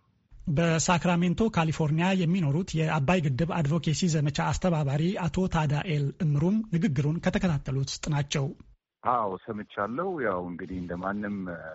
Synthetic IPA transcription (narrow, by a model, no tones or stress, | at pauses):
bəsakɾame̞nt̪ʰo̞kʰalifo̞ɾnijajɛmːino̞ɾut̪jɛʔabːajɡɨd̪ːɨβad̪vo̞kʰesizəmət͡ʃaːst̪ʰəβaβaɾiat̪ʰo̞t̪ʰad̪aʔelɨmːɨɾumnɨɡɨɡːɨɾunkʰət̪ʰəkʰət̪ʰat̪ʰːəlut̪sɨ̥t̪ʼnat͡ʃːɛw | ʔawsəmɨt͡ʃːalːəhwjawɨŋɡɨd̪iɨnd̪əmanːɨm